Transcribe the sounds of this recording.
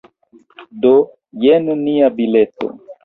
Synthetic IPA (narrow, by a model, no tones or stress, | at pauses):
do | jenniabileto̰